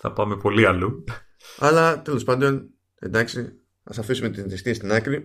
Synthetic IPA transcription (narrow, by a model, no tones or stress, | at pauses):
θɐ̰pɐme̞po̞liɐlu | ɐlɐt̪e̞lo̞spɐnd̪o̞n | e̞̰nd̪ɐksi | ɐ̰sɐfisume̞t̪isist̪iest̪inɐkɾi